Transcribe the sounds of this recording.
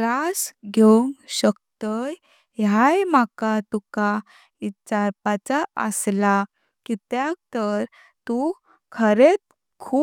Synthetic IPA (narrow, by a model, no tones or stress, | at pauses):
ɾasɡʱeuŋɡɕəkt̪əj | jajmakat̪uka | it͡ɕaɾpat͡saə̰sla | kit̪jak̚t̪əɾ | t̪u | kʰəɾet̪̚ | kʰuː